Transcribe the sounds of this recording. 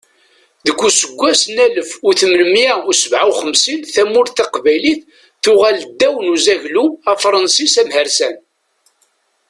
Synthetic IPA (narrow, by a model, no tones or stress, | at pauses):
ðəɡʷːusəɡʷːæsnæləfʊθəmləmjæʊsəvʕawχəmsinθæmʊɾθɑqvæjliθ | θʊʁæld̪ːæwənuzæʝluæfɾˤɑnsisæmhəɾsæn